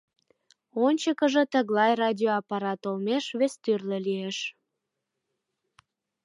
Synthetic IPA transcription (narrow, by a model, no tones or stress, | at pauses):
onʲt͡ɕəkəʒĕt̪əɣlɑjrɑdʲioɑpɑɾɑt̪olmeʃβest̪yrlə̆lieʃ